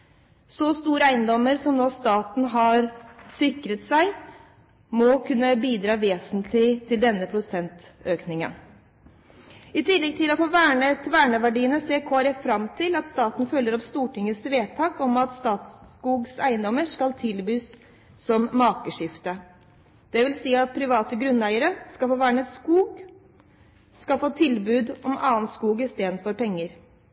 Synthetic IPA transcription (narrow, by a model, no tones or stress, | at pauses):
sɔst̪uːɾəæɪənd̪ɔmːəɾsɔmnoːst̪ɑːt̪n̩ɦɑɾsɪkɾət̪sæɪ | mɔkʰʉnːəbiːd̪ɾɑːʋeːsənt̪ʰlɪt̪ʰɪld̪ɛnːəpʰɾʊsɛnt̪øːknɪŋə̰n | ɪt̪ʰɪlːɛɡ̚t̪ʰɪlɔfoːʋæːɳət̪ʰʋæːɳəʋæɖiːənəseːkʰoːɑɾɛfɾɑmt̪ʰɪlɑt̪st̪ɑːt̪n̩fœlːəɾɔpst̪uːʈɪŋːəsʋeːt̪ʰɑːkɔmɑt̪st̪ɑːt̪skuːɡsæɪənd̪ɔmːəʂkɑlt̪ʰɪlbyːsː | ɔmːɑːkəʂɪft̪ə | d̪̥ɛʋɪlsiːɑt̪̚pʰɾɪʋɑːt̪əɡɾʉnːæɪəɾəskɑlfoːʋæːɳəəskuːɡ | skɑlfoːt̪ʰɪlbʉːd̪ɔmɑːənskuːɡɪst̪eːd̪n̩fɔɾpʰɛŋːəɾ